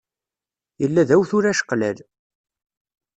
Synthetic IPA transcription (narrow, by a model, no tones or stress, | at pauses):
jəlːæðæwθʊɾæʃə̥qlæl